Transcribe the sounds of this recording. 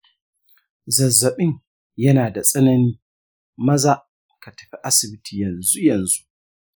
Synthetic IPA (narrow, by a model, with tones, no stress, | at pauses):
zɐ˨zːɐ˨ɓɪ˦ŋ | jɐ˦naː˨da˨sʼɐ˦nɐ˦niː˦ | mɐ˦za˦ʔ | ka˨tɐ̥˨ɸi˦ʔa˦sɪ˨bɪ˦tʰiː˨jɐ˨nzu˦jɐ˨nzu˦ʔʔ